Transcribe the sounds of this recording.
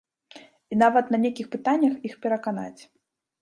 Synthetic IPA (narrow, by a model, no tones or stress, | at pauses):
inavɐt̪nɐnʲekʲixpɨt̪anʲːɐxixpʲɛɾɐkana̰t͡sʲ